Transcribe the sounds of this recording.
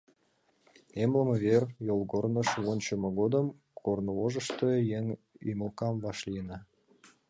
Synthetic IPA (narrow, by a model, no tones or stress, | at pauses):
emləməβerjolˠɡornə̆ʃwonʲt͡ɕə̆mɤ̆ɣod̪əm | kornoloʒə̆ʃt̪əjeŋ | y̰məlkɑmvɑʃlʲijnɑ